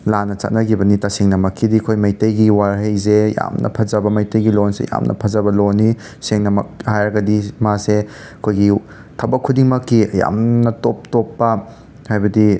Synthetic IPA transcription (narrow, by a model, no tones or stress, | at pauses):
lanɐt͡ʃa̰t̚nɐɡibɐnitaseŋnɐmɐkːidikʰojmɐjtɐjɡiwaɾɦejzeja̰mnɐ̰pʰɐzɐbɐmɐjtɐjɡilonsḛja̰mnʔɐ̰pʰɐzɐbɐlonːi | seŋnɐmɐ̰k̚hajɾɐɡɐdimase | ɐkʰojɡi | tʰɐbɐkʰːudiŋmɐkːiɐja̰mnɐtop̚topːɐ | hajbɐdi